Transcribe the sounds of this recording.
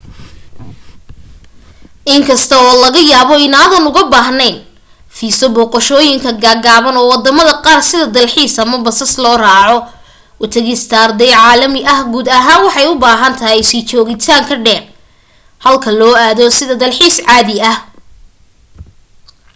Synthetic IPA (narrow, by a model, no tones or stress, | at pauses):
ʔɪŋkʰɐst̪ʰɐɔːlɐɣɐjaːβɔɪnaːðɐnʊɣɐbaːɦnɛjn | fiːsɔbɔːqɔʃɔːjɪŋkʰɐɡaːɡaːβɐnɔːwɑd̪ɐmɐðɐqɑːrsɪðɐd̪ɐlħiːsɐmɐbɐsɐslɔːraːʕɔ | ʔʊt̪ʰɐɣɪst̪ʰaːrd̪ɛjʕɑːlɐmɪʔɐhɡuːd̪ɐɦaːnwɑħɑjʊbaːɦɐnt̪ʰɐɦɛjsiːt͡ʃɔːɣɪt̪ʰaːŋkʰɐɖɛːr | hɐlkʰɐlɔːaːðɔsɪðɐd̪ɐlħiːsʕɑːðɪɐh